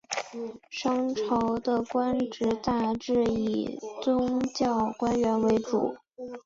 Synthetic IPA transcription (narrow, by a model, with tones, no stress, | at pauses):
ʂɑ˥ŋʈ͡ʂʰɑ˧˥ʊd̪ə˧kwa˥nʈ͡ʂɻ̩˧˥t̪a˥˧ʈ͡ʂɻ̩˥˩i˨˩t͡sʊ˥ŋt͡ɕjɑ˥˩ʊkwa˥nɥɛ˧˥nwe˧˥ɪʈ͡ʂṵ˨˩˦